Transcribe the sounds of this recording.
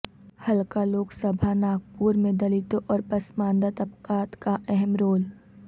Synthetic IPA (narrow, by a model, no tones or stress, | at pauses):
hɐlkaloːksəbʱanaːɡ̚puːɾmẽd̪ɐlɪt̪oʔɔːɾpɐsmãːnd̪at̪ɐpkaːt̪kaʔɛɦɛmɾoːl